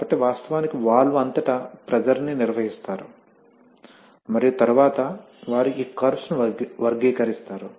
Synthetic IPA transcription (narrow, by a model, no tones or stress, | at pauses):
bɐʈːeːʋaːst̪ɐʋaːnikiʋaːɭːuɐnt̪ɐʈɐpɾɐd͡ʒɐlniniɾʋɐɦist̪aːɾu | mɐɾijut̪ɐɾuʋaːt̪ɐ | ʋaːɾuiːkɐɾsnuʋɐɾɡiːkɐɾist̪aːɾu